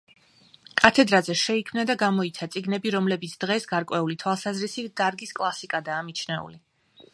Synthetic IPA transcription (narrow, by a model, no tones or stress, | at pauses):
kʼat̪ʰɛd̪ɾazɛʃɛikʰmnad̪aɡamɔit̪sʰat̪sʼiɡnɛbiɾɔmlɛbit̪sʰd̪̥ʁɛsɡaɾkʼwɛulit̪ʰwalˠsazɾisid̪̥aɾɡiskʼlˠasikʼad̪aːmit͡ʃʰnɛṵli